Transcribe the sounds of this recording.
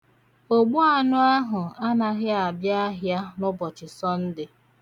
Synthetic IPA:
o˦ɡ͡bʊ˦a˦nʊ˦a˦ɦʊ˨a˦na˨ɦɪ˦a˨bja˦a˦ɦja˦nʊ˦bɔ˨t͡ʃɪ˨sɔ˦n̩˦dɪ˨

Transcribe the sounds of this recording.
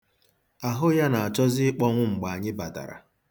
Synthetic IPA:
a˨ɦʊ˦ja˦na˨a˨t͡ʃɔ˦zɪ˦k͡pɔ˦ŋʷʊ˦ŋ͡m̩˨ɡ͡ba˨a˨ɲɪ˦ba˨ta̰˨ɾa̰˨

